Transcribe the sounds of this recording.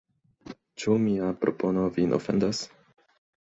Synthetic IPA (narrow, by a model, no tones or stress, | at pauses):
t͡ʃumiapɾo̞po̞novinʔofend̪as